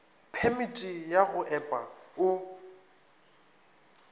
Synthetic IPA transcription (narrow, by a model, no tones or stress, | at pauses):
pʰemitʼijaɣʊʔɛpʼaʊ